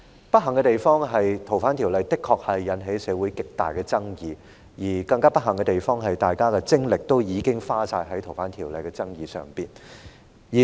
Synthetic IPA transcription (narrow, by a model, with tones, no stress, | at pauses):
pɐ˥t̚ɦɐ˨˩ŋkɛ˧t̪e˨jfɔː˥ŋɦɐ˨jt̪ʰo˨˩wfaː˨˥nt̪ʰi˨˩wlɐ˨˧jt̪ɪ˥kʰːɔː˧k̚hɐ˨jːɐ˨˥nɦe˨˥jsɛː˨˧wuː˨˥jkɪ˨k̚t̪a̰ː˨jkɛː˧t͡sɐ˥ŋjiː˨˧ | jiː˨˩kɐ˧ŋkaː˥pɐ˥t̚hɐ˨˩ŋkɛ˧t̪e˨˩jfɔː˥ŋɦɐ˨jt̪aː˨jkaː˥kɛ˧t͡sɪ˥ŋlɪ˨k̚t̪o˥wjiː˨˧kɪ˥ŋfaː˥saː˧jɦɐ˨˥jt̪ʰo˨˩wfaː˨˥nt̪ʰiː˨˩wlɐ˨jkɛ˧t͡sɐ˥ŋjiː˨sœ̰ː˨˩ŋpiː˨n | jiː˨˩